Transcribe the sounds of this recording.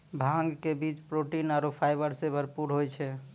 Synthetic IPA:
bʱãŋɡkebit͡ʃpɾoʈinaɾopʰajbəɾsebʱəɾpuɾɦojt͡ʃʰɛ

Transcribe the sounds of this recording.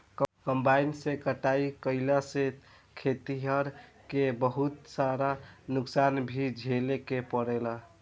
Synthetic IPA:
kkəmbainsekəʈaikəɪlase | kʰet̪iɦəɾ | kebəɦut̪saɾanuksanbʱid͡ʒʱelekepəɽela

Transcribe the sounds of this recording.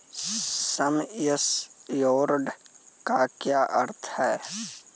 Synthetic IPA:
səməsjoːɾɖkaːkjaːʔəɾt̪ʰhɛː

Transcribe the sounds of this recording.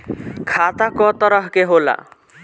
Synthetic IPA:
kʰat̪akɔt̪ɔɾɔɦkeɦola̰

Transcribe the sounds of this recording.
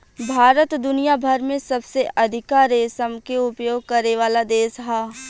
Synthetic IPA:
bʱaːɾət̪d̪ʊnijabʱɐɾmẽsɐbseʔɐd̪ʱɪkaːɾesəmkeʊpjoːɡ̚kɐɾeʋaːlad̪eːsɦaː

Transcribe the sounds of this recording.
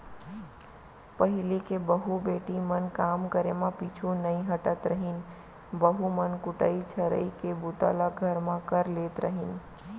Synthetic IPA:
pəɦilikebəɦubeʈimənkamkəɾemãpit͡ʃʰunəĩɦəʈət̪ɾəɦin | bəɦumənkuʈəit͡ʃʰəɾə̰ikebut̪a̰laɡʱəɾmãkəɾlet̪ɾəɦin

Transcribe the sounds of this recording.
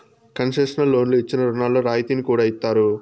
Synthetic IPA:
kɐnʂeʂɐnɐlːo̞ːnloit͡ʃːinɐɾunaːlːoːɾaːjt̪iːnikuːɽaːit̪ːaːɾu

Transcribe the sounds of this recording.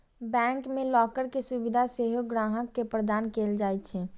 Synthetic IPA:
bɛ̃ŋkmẽlɔːkəɾkesubid̪ʱaseɦoɡɾaːɦəkːepɾəd̪aːnkeld͡ʒaːjt̪t͡ʃʰɛ

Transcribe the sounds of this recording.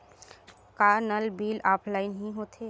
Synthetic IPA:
kaːnəlbiːlaːpʰlaːɪnɦĩɦoːt̪ʰeː

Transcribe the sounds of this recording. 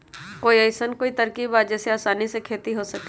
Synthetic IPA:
koːiəɪsənkoːit̪ɐɾkiːbaːd͡ʒɛseaːsaːnisekʰeːt̪iɦosɐke

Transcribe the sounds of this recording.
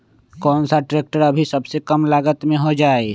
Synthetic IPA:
kɔːnsaʈɾeːk̚ʈəɾɐbʱisɐbsekəmlaːɡət̪mẽɦod͡ʒaːe

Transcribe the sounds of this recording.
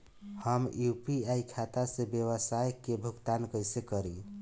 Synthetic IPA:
həmjupiajkʰat̪asẽbjewəsajkebʱukt̪ankəjsekəɾi

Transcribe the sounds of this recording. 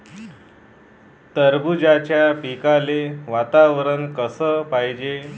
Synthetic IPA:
t̪əɾbud͡ʑat͡ɕjapikaleʋat̪aʋəɾənkəsəːpajd͡ʑe

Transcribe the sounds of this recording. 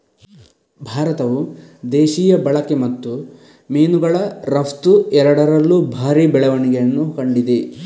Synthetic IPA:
bʱaːɾɐt̪ɐʋud̪eːʃiːjɐbɐɭɐkemɐt̪ːu | miːnuɡɐɭɐɾɐpt̪uɛɾɐɽɐɾɐlːubʱaːɾibɛɭɐʋɐniɡejɐnːukɐɳɖid̪e

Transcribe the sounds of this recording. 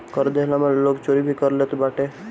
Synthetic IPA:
kəɾd̪elamãloːkt͡ʃoːɾibʱikəɾlet̪obaːʈe

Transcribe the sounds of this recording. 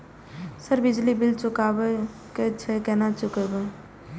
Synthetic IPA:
səɾbɪd͡ʒlibɪlt͡ʃʊkaːbə | ket͡ʃʰekɛnat͡ʃʊkəbə

